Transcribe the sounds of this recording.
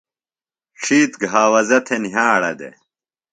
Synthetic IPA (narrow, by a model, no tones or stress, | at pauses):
ʂʰiːt̪ɡɦaːwɐzɐt̪ʰeniɦãːɐɽɐd̪ḛ